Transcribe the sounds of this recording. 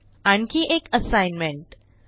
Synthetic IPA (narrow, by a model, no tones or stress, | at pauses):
añkiʔekəsajnmẽɳʈ